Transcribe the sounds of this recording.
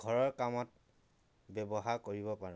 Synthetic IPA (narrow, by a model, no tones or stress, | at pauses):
ɡʱɔɹɔɹkamɔt̚ | bɛbɔɦaɹkoɹibɔpaɹɛ